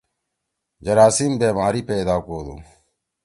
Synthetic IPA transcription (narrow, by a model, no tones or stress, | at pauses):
d͡ʒəɾaːsiːmbeːmaːɾiːpeːd̪aːkoːd̪o̰ː